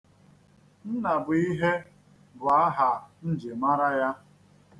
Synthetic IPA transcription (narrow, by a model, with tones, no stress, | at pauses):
n̩˦na˨bʊ˨i˦ɦe˦ | bʊ˨a˦ɦa˨n̩˦d͡ʒe˨ma˦ɾa˦ja˦